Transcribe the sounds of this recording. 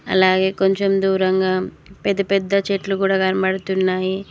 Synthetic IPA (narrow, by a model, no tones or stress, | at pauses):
ɐ̰laːɡe̞ːko̞ɲt͡ʃe̞md̪uːɾɐŋɡaː | pɛd̪ːɐpɛd̪ːɐt͡ʃeʈlukuːɽaːɡɐnɐpɐɽɐt̪unːaːji